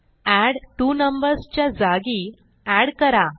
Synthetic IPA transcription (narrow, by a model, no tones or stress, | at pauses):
æɽʈunəmbəɾst͡ɕjad͡zaɡi | æɽkəɾa